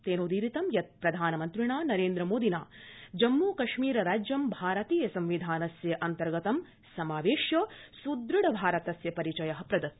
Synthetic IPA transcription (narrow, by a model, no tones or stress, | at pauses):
t̪eːnoːd̪iːɾit̪ɐmjɐt̪̚pɾɐd̪ʱaːnɐmɐnt̪ɾiɳaːnɐɾeːnd̪ɾɐmoːd̪ʱinaːd͡ʒɐmːuːkɐʃmiːɾɐɾaːd͡ʒjɐmbʱaːɾɐt̪iːjɐsɐ̃mʋid̪ʱaːnɐsjɐʔɐnt̪ɐɾɡɐt̪ɐm | sɐmaːʋeːʃjɐsud̪ɾiɽɐbʱaːɾɐt̪ɐsjɐpɐɾit͡ʃɐjɐɦɐ̆pɾɐd̪ɐt̪